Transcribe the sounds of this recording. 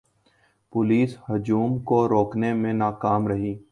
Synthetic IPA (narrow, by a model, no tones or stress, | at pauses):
pʊliːshʊd͡ʒuːmkoɾoːknemẽnaːkaːmɾəɦiː